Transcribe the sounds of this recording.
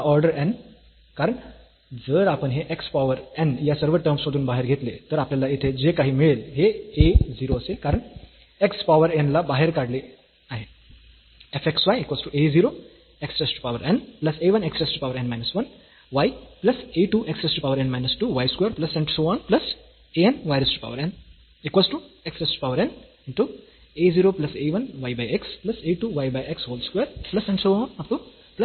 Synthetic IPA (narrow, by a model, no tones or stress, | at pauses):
jaɔɾɖəɾɛ̃n | kaɾəɳ | d͡zəɾapənɦeʔekspaʋəɾɛnjasəɾʋəʈəɾmsʋɐd̪uːnbaɦeɾɡʱet̪let̪əɾapljalaet̪ʰed͡ʑekaɦiːmiɭelɦeeziːɾoəsekaɾəɳ | ekspaʋəɾenlabaɦeɾkaɽle | aɦe | efeksʋajekʋɔːsʈuʔeziːɾo | eksʈɾesʈu̥paʋəɾʔɛnplɐseːʋɐ̃neksʈesʈupaːʋəɾɛ̃nmaɪnɐsʋɐ̃n | ʋajplɐseːʈuːʔeksʈesʈupaʊʋəɾɛ̃nmaɪnɐsʈuʋajskweːɾplɐsɛ̃ɳʈsoːãːnplɐs | eːẽnʋaɪɾɐsʈu̥pa̰ʊʋəɾɛ̃n | ɪkʋaːsʈueksʈesʈpaʊəɾɛ̃n | ɪ̃ɳʈu | eːziːɾoːplɐseːʋɐnʋajbajeksplɐseːʈuːʋajbajekshoːlskweːɾplɐsɛ̃ɳɖsoːaːnɐp̚ʈu | plɐ